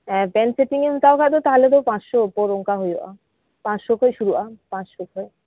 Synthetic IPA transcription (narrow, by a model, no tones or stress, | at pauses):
ɛ̃pɛnseʈiŋemt̪aokat̪̬ot̪aɦolet̪opãsʃopoɾoŋkaɦojo̰ʔa̰ | pãsʃokʰojʃuɾuʔapãt͡ɕʃokʰoj